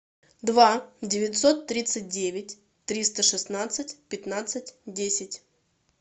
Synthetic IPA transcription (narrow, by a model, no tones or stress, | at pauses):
d̪vadʲɪvʲɪt̪ʲso̞t̪ːɾʲit̪sɨt̚ʲdʲevʲɪtʲ | t̪ɾʲist̪əʂɨsnat̪sɨtʲpʲɪt̪nat̪sɨt̚ʲdʲesʲɪtʲ